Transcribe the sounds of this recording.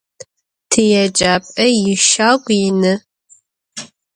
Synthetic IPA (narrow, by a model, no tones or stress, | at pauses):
tʰɨjɛd͡ʒʼaːpʼɐjɪʃaːɡʷʼjɪnɨ